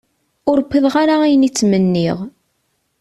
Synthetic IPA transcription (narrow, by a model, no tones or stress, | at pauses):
ʊɾkʷːiðʁaɾaæjənit͡sːmənːiʁ